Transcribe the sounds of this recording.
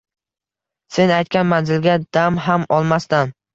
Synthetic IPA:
se̞najt̪kʲanmanzɪlɡʲad̪̥amɦamɒlˠmast̪an

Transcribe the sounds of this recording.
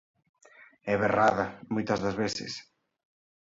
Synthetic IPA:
ɛβeraðɐmojt̪ɐzðɐzβesɪ̰s

